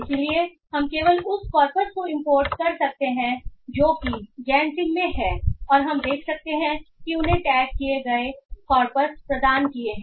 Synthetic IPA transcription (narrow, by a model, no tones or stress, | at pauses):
ɪslie | hɐmkeːʋəlʊskɔːɾpəɾskoɪ̃mpoːɾʈkɐɾsɐk̚t̪eɦɛ̃d͡ʒoːkid͡ʒɛːnsɪ̃ŋmẽɦɛːɔːɾɦɐmd̪eːkʰsɐk̚t̪eɦɛ̃kiʊnɦẽʈɛːɡːieɡɐekɔːɾpəɾspɾɐd̪aːnkieɦɛ̃ː